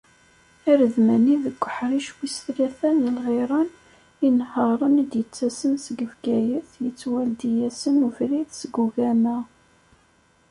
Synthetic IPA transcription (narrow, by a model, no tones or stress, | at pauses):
iɾəðmæniðəkʷːə̥ħɾiʃwisθlæθænəlʁeɾˤɑn | inhɑɾˤənd̪jət͡sːæsənsəɡəfɡæjəθjət͡sːwæld̪ijæsənufɾiθsəɡuvæmæ